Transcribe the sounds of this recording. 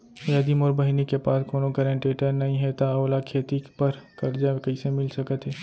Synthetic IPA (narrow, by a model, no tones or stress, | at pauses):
jəd̪imoːɾbɐɦinekepaːskoːnokəɾẽɳʈeːʈəɾnɐɦĩɦɛt̪aoːlakʰeːt̪ipɐɾkɐɾd͡ʒakɐɪsemɪlsɐkət̪ɦɛː